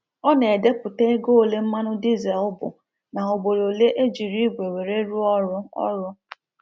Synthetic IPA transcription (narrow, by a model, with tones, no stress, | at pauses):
ɔ˦ne˨e˨de˦pʊ˨te˦e˦ɡo˦o˦˨le˦m̩˦ma˦nʊ˦di˦zɛ˨lʊ˦bʊ̰˨ | na˨o˨bo˨ɾo˨le˦ʔe˦d͡ʒi˨ɾi˦ɡʷe˨we˨ɾe˦ɾu˦ɔ˦ɾʊ˦ɔ̰˦ɾʊ˦